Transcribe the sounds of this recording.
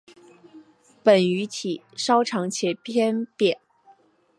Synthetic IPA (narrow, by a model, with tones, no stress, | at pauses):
pə˨˩ny˧˥t̪ʰi˨˩˦ | ʂɑ˥ʊʈ͡ʂʰɑ˧˥ŋt͡ɕʰjɛ˧˥pʰjɛ˥nt̪jɛ˨˩˦n